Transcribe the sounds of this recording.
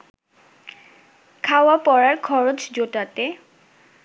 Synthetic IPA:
kʰawapɔɹaɹkʰɔɹot͡ɕd͡ʑotate

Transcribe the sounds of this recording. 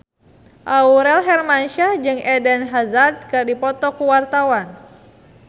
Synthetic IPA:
ʔauɾɛlɦɛrmanʃahd͡ʒɨŋɛdɛnɦazard̚kɨrdipɔt̪ɔkuwart̪awan

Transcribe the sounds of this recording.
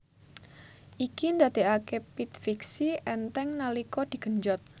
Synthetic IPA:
ʔikind̪ad̪̥e̤akepit̪̚fiksiʔɛnt̪ɛŋnalikɔd̪̥i̤ɡ̥əɲd͡ʒɔt̪̚

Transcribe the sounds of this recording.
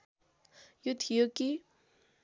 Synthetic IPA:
jut̪ʰijoki

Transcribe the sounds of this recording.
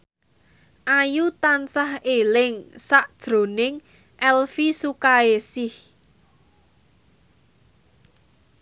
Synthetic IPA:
ʔajut̪ansahelɪŋsaʔd̥ʒ̥ɾo̤nɪŋ | ʔɛlfisukaesɪh

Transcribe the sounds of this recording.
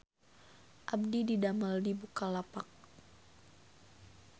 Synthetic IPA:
ʔab̚dididamaldibukalapak̚

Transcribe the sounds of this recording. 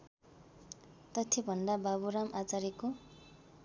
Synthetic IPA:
t̪ʌt̪ʰebʱʌnd̪ababuɾamat͡saɾeko

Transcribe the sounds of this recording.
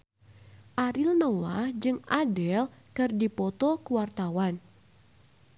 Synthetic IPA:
ʔaɾilnowahd͡ʒɨŋadɛlkɨrdipɔt̪ɔkuwart̪awan

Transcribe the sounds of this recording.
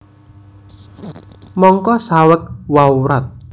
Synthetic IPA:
mɔŋkɔsawək̚wauɾat̪̚

